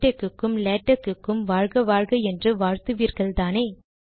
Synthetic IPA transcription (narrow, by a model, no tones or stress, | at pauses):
ʈːɐkːɯkːɯmleːʈːɐkːɯkːɯmʋaːɻɣɐʋaːɻɣɐɛndrɯʋaːɻt̪ɯʋiːɾɣɐɭt̪aːneː